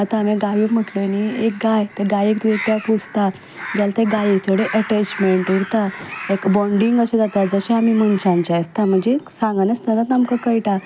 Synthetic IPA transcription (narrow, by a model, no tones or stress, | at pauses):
at̪aːmeɡajikm̤əʈloniek̚ɡajt̪eɡajikt̪ut̪apʰud͡zt̪a | d͡ʑjalat̪eɡaikt̪ʰoɽeʔəʈet͡ɕmeɳʈuɽt̪aekbɔɳɖiŋɡəsed͡zat̪ad͡zəɕaamim̤ənt͡ɕãnt͡ɕast̪am̤əɳd͡ʑesãŋɡanəst̪əlat̪amkəkəjʈa